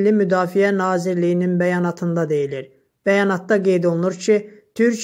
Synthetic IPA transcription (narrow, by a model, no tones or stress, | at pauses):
lːimyd̪ɑːfijænɑːziɾlijininbæjɑːnɑt̪ʰɯnd̪ɑd̪e̞jiliɾ | b̥æjɑnɑt̪̚d̪ɑɡe̞jd̪o̞lˠunuɾcʰit̪ʰyɾc